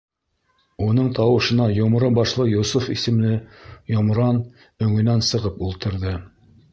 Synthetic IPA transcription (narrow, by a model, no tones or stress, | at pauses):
un̪ɤɴt̪ɑwɤ̆ʃɤ̆nɑjŏm̆ɾɤbɑʃlˠɤjusufḭsɘ̆mlɘjŏmɾɑn | ɵ̆ŋɵ̆nænsɤ̆ʁɤpulˠt̪ɤ̆ɾðɤ